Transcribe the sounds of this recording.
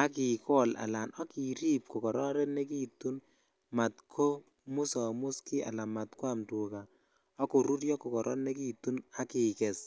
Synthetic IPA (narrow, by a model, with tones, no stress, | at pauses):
a˦ki˨kɔ˦la̰˨la˨nʔɔ˦ki˨ɾi˦p̚ko˨kɔ˨ɾɔ˦ɾɛ˦ne˦ki˦tu˦n | ma˨tkʰo˦ | mʊ˦sa˨mʊ˦ski˦a̰˨la˨ma˨t̪kwa˦mtu˨ka˨ | ɔ˦ko˨ɾu˦ɾjɔ˦kːɔ˨kɔ˨ɾʔɔ̰˦tnɛ˦k̬i˦˨t̪ːu˦na˦ki˨kɛ˨s